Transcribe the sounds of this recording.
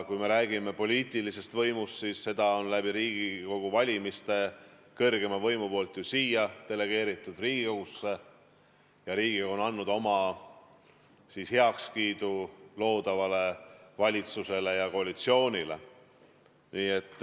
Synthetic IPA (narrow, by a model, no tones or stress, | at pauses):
kujme̞ɾæːɡ̥ime̞po̞lʲiːt̪ˑilise̞st̪vɤjmust̪sisːe̞d̪̥ɑo̞nlæbiɾiːɡ̥iko̞ɡ̥uvɑlʲimist̪e̞ | kɤrɡ̥e̞mɑvɤjmupo̞ːlt̪jusiːjɑt̪e̞le̞ɡ̥e̞ːɾit̪ːˑud̪̥riːɡ̥iko̞ɡ̥usːe̞ | jɑɾiːɡ̥ioonɑnːud̪̥o̞mɑ | sishe̞ɑkskiːd̪̥ulo̞ːd̪ɑvɑle̞vɑlʲit̪suse̞le̞jɑko̞ɑlit̪sio̞ːnʲile̞̰ | niːe̞t̪ˑː